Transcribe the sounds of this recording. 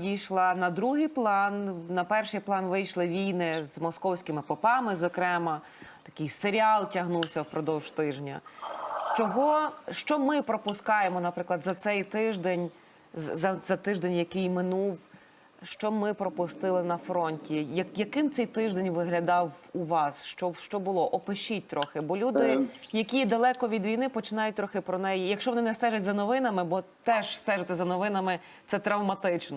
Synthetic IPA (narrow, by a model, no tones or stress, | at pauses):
jʲijʃlˠɐnɐd̪ɾuɦɪjplˠɑnnɐpɛrʃɪjplˠɑnʋɪjʃlˠɪʋʲijnɪzmɔskɔwsʲkʲɪmɪpɔpɑmɪzɔkɾɛmɐ | t̪ɐ̥kɪjseɾʲiɑlˠtʲɐɦnuwsʲɐwpɾɔd̪ɔwʒ̥t̪ɪʒnʲɐ̰ | t͡ʃɔɦɔʃt͡ʃɔmɪpɾɔpʊskɑjemɔnɐpɾɪklˠɐd̪zɐt̪sɛjt̪ɪʒd̪enʲ | zɐzɐt̪ɪʒd̪enʲjɐkɪjmɪnuw | ʃt͡ʃɔmɪpɾɔpʊst̪ɪlˠɪnɐfɾɔnʲtʲijɐjɐkɪmt̪sɛjt̪ɪʒd̪enʲʋɪɦlʲɐd̪ɑwuʋɑsʃt͡ʃɔʃt͡ʃɔbʊlˠɔʔɔpɪʃit̚ʲt̪ɾɔxɪbɔlʲud̪ɪjɐkʲid̪ɐlˠɛkɔʋʲid̪ʋʲijnɪpɔt͡ʃɪnɑjʊt̚ʲt̪ɾɔxɪpɾɔnɛjijɐkʃt͡ʃɔʋɔnɪnɛst̪ɛʒɐtʲzɐnɔʋɪnɐmɪbɔt̪ɛʒ̥st̪ɛʒɐt̪ɛzɐnɔʋɪnɐmɪ | t̪sɛt̪ɾɐwmɐt̪ɪt͡ʃnɔ